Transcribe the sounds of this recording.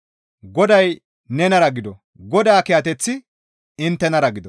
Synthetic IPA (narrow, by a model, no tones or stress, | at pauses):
ɡɔd̪ɐj | nɛnɐɾɐɡɪd̪ɔ | ɡɔd̪aːkɪjɐt̪ɛt͡sːɪ | ɪnt̪ːɛnɐɾɐɡɪd̪ɔ